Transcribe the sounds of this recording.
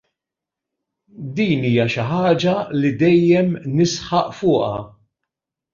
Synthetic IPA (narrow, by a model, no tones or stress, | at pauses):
d̪iːniːjɐʃɪħɐːd͡ʒɐlid̪ɛjːɛmnɪsħɐʔfʊːʔɐ